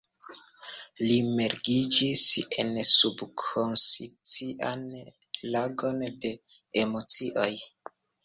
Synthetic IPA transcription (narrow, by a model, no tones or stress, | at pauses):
limeɾɡid͡ʒise̞nsubkʰonsit͡siʔan | laɡo̞nde̞ | emo̞t͡siʔo̞j